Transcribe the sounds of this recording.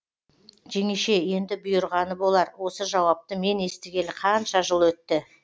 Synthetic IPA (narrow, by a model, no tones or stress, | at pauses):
ʒe̞ŋeʃe̞je̞nd̪ɪbʊjəɾʁɑnəbo̞lˠɑɾwo̞səʒɑwɑp̚t̪əme̞ne̞st̪ɪɡʲe̞lɪqʰɑnʃɑʒəlˠwɵt̪ːɪ